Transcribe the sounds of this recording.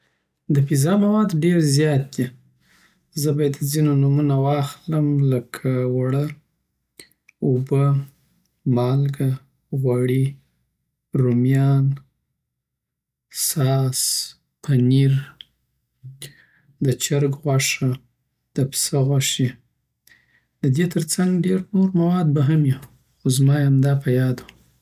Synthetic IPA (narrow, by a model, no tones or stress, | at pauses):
d̪əfizɑmawɑd̪ɖeɾzjɑt̪̚d̪i | zəbɑjad̪zinonumunawɑxləmləkʰawaɽə | ubə | mɑlɡa | ɣwaɽi | ɾumjɑn | sɑs | pʰaniɾ | d̪ət͡ʃaɾɡɣwaʂa | d̪̥əpsaɣwaʂi | d̪əd̪et̪ʰəɾt͡saŋɡɖeɾnoɾmawɑd̪̚baɦamji | xozmɑjamd̪ɑpajɑd̪u